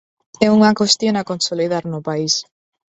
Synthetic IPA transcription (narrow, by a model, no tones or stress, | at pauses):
ɛuŋakost̪jonakonsoliðaɾnʊpais